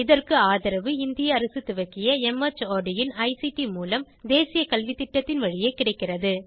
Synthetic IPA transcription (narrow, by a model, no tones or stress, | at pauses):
ɪðɐrkɯaːðɐɾɐʋɯɪnd̪ɪjɐːɾɐsɯt̪ʊʋɐkːɪjɐɛmɐt͡ʃoːɖɪjɪnɐɪsiʈimuːlɐm | d̪eːsɪjɐkɐlʋit̪ːɪʈːɐt̪ːɪnʋɐɻɪjeɪkːɪɽɐɪkːɪrɐðɯ